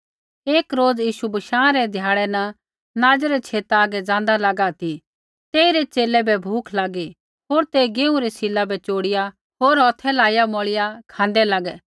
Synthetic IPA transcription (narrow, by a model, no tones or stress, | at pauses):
eːkɾoːd͡zjiːʃubɐʃãːɾɛd̪ʱjaːɭɛnɐ | naːd͡zɾɛt͡ʃʰeːt̪aːɡɛd͡zãːn̆d̪alɐɡat̪ʰi | t̪eːiɾɛt͡ʃeːlɛbɛbʱuːkʰlaːɡi | ɦoːɾt̪eɡeũɾɛsɪlːabɛt͡ʃoːɽɪja | ɦoːɾɔt̪ʰɛlaːjamɔɭɪjakʰãːnd̪ɛlɐɡɛ